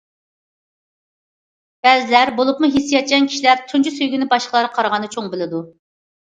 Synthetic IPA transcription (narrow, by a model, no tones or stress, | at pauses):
b̥ɛlzɪlæɾbolˠupmuɦesːijɑt̪̚t͡ʃʲɛnkʰʲi̥ʃilæɾt̪ʰunt͡ʃʰysøjɡʲynɪbɑʃqʰəlˠɑɾqʰɑɾʁɑnɨt͡ʃʰoŋbɪlɪd̪u